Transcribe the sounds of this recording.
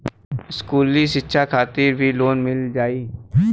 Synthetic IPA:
ɪskuːliʃɪtːʃʰakʰaːt̪iɾbʱiloːnmɪld͡ʒaːiː

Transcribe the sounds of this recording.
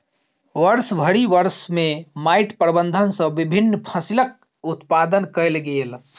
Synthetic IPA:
ʋəɾsbʱəɽiʋəɾsmemaiʈpɾəbənd̪ʱənsə̃bibʱinːpʰəsilək̚ | ut̪pad̪ənkəɪlɡeel

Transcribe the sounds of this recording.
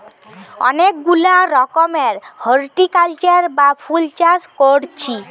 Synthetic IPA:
ɔ̰nekɡulaɾɔkomeɾhəɾʈikalt͡ɕaɾbapʰult͡ɕaskoɾt͡ɕʰi

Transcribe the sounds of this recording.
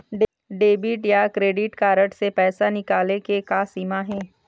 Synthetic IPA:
ɖ | ɖeːbɪʈjakɾeːɖɪʈkaːɾəʈsepɛːsanɪkaːlekekaːsiːmaɦɛ̃ː

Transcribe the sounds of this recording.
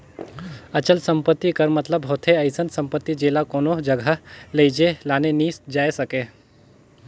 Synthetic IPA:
ɐt͡ʃəlsəmpət̪ːikəɾmət̪ləbɦoːt̪ʰeɐɪsənsɐ̃mpət̪ːid͡ʒeːlakoːnod͡ʒəɡʱaleid͡ʒelaːneniːsd͡ʒaːesɐkeː

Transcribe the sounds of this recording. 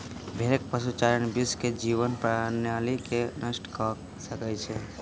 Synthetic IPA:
bʱeɾek̚pəsut͡ʃaɾənbisked͡ʒiβənpɾanjalikenəsʈkɔ | səkɛt͡ʃʰɛ

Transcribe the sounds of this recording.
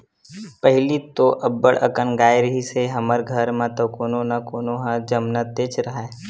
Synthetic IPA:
pəɦɪlit̪oʔɐbːəɽʔə̰kənɡaːjɾɦiseɦɐməɾɡʱəɾmãt̪okoːnonakoːnoɦãd͡ʒəmnət̪eːt͡ʃɾɐɦɛː

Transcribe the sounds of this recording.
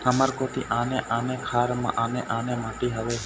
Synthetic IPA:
həmaɾkot̪ḭːʔaːnẽʔaːneːkʰaːɾmã̰ʔaːnẽʔaːneːmãːʈiːɦəʋeː

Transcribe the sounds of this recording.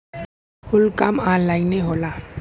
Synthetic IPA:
hʊlkamaːlːaːineɦoːlaː

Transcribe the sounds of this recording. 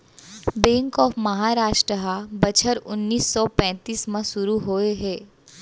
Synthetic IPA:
bɛ̃ːŋkɔːfmɐɦaːɾaːʃʈɾəɦabɐt͡ʃʰəɾʊnːiːsːɔpɛ̃ːt̪iːsmãsʊɾuɦoeɦɛː

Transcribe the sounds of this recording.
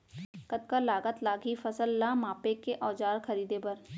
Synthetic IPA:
kət̪̚kalaːɡət̪laːɡʱifɐsəlːamaːpekeʔɔːd͡ʒaːɾxɐɾiːd̪epɐɾ

